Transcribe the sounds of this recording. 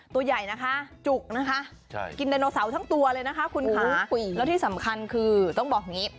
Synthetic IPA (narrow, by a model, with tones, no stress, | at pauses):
t̪u˧ɐja˨˩jna˦˥kʰa˦˥t͡ɕu˨˩k̚na˦˥kʰa˦˥ʔ | ki˧nda˧jnɔː˧sa˩˦wt̪ʰa˦˥ŋt̪u˧ɐlɤː˧jna˦˥kʰa˦˥kʰu˧nkʰaː˩˦lɛ˦˥wt̪ʰiː˥˩sa˩˦mkʰa˧nkʰɯː˧t̪ɔ˥˩ŋbɔː˨˩k̚ŋi˦˥